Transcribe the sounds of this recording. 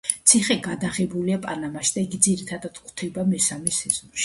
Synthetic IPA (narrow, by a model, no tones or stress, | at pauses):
t̪sʰiχɛɡad̪aʁɛbuliapʼanamaʃd̪aiɡid̪ziɾit̪ʰad̪at̪χt̪ʰɛbamɛsamɛsɛz̥ɔnʃi̥